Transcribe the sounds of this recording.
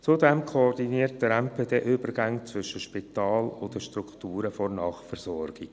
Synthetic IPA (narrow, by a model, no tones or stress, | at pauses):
t͡sʊdɛmkʰɔɔrdiniərt̚d̥əɾɛmpʰedeːʔʏbərɡaŋt͡sʋʏʃəʃpitɑːlʊd̪əʃtɾuktuːɾəfɔrnɑːχfɛrz̥ɔrɡ̥i